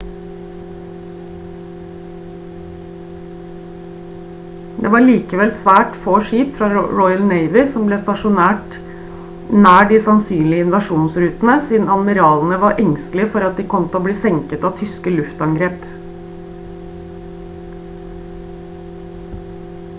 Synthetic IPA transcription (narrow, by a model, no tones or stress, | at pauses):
d̪ḛːʋɑːɭiːkəʋɛlsʋæːʈfoːʃiːpfɾɑɹɔʏəlneɪʋɪsɔmbleːst̪ɑʂʊnæːʈ | næːɖiːsɑnsyːnlɪəɪnʋɑʃuːnsɾʉːt̪n̩əsiːd̪n̩ɑd̪mɪɾɑːln̩əʋɑɾʔɛŋst̪lɪəfɔɾɑt̪̚d̪iːkʰɔmt̪ʰoːbliːsɛŋkət̪ɑːʋt̪ʰʏskəlʉft̪ɑŋɡɾeːp